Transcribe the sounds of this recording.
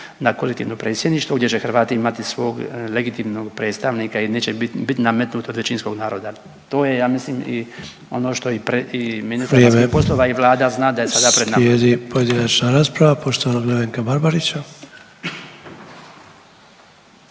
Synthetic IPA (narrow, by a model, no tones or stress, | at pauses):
nakolekt̪iːʋnopɾet̪sʲje̞d̪niːʃt̪ʋoɡd̪jet͡ɕe̞xɾ̩ʋaːt̪iimat̪isʋo̞ːɡleɡit̪iːmnoɡpɾe̞ːt̪st̪aʋnikaineːt͡ɕeibit̪iname̞t̪nuːt̪od̪ʋet͡ɕinsko̞ɡnaːɾo̞ːd̪a | t̪o̞ːje̞jaːmisliːmḭ | o̞̰no̞ːʃt̪o̞ipɾeiminist̪aiamiepo̞slˠoʋaiʋlˠaːd̪aznaːd̪ajesad̪apɾenajed̪ipojed̪inat͡ʃnaɾaːspɾaʋapo̞ʃt̪oʋanaɡleβeŋkabaɾbaɾit͡ɕa